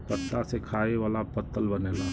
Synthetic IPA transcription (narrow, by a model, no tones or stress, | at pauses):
pət̪ːasekʰaːeʋaːlapət̪ːəlbɐneːla